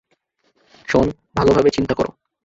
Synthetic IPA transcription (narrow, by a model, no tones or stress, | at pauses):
ʃon | bʱalobʱabet͡ɕint̪ako̰ɾo̰